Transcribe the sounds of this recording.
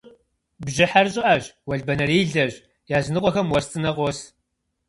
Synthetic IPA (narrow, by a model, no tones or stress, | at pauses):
bʒɪħarɕʼɪʔaʑwɐɮbɐnɐriːɮɐʑ | jaːzɨnɨqʷʼɔxɐmwɐrst͡sʼɨnɐʁʷɔs